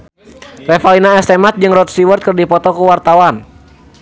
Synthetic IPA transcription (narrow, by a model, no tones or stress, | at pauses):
rɛfalinaɛst̪ɛmat̪̚d͡ʒɨŋrɔt̪̚siwərt̪̚kɨrdipɔt̪ɔkuwart̪awan